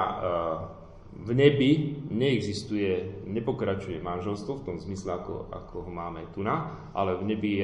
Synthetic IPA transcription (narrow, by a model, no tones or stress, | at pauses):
vɲɛbiɲɛːɡzist̪ujɛɲɛpɔkɾat͡ʃujɛmanʒɛlst̪ʋɔft̪ɔmzmislɛakɔ̰a̰kʰɔɦɔmaːmɛt̪una | ʔa̰lɛvɲɛbi